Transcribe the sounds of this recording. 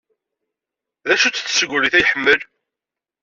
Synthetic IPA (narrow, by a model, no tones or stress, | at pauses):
ðæʃut͡sːθːsəɡʷɾiθæjəħəmːəl